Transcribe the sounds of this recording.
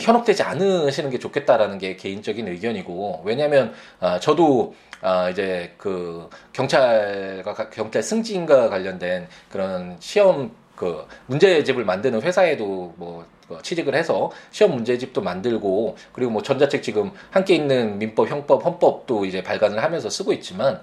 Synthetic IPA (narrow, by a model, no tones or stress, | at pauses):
çjʌnʌp̚t͈we̞d͡ʑianɯɕʰinɯnɡe̞t͡ɕokʰe̞t̚t͈aɾanɯnɡe̞ke̞int͡ɕʌɡinɯɡjʌɲiɡowe̞ɲaɦmjʌn | at͡ɕʌdo | aid͡ʑe̞kɯkjʌŋt͡ɕʰaɭɡwakakjʌŋt͡ɕʰaɭsʰɯŋd͡ʑiːnɡwakwaʎːʌndwe̞nkɯɾʌnɕʰiʌm | kɯːund͡ʑe̞d͡ʑibɯɭmandɯnɯnɸwe̞sʰae̞domwʌ | kʌt͡ɕʰid͡ʑiɡɯɭhesʰʌɕʰiwʌmːund͡ʑe̞d͡ʑip̚t͈omandɯɭɡokɯɾiɡomwʌt͡ɕʌnd͡ʑat͡ɕʰek̚t͡ɕiɡɯmhamk͈e̞inːɯnmimp͈ʌp̚çjʌŋp͈ʌp̚hʌnp͈ʌp̚t͈oid͡ʑe̞paɭɡanɯɭhamjʌnsʰʌs͈ɯɡoit̚t͡ɕ͈iman